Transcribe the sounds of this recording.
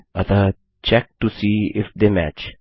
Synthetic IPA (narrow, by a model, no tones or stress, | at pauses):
ʌt̪ə | t͡ʃɛk̚ʈusiːɪfd̪emæ̰t͡ʃ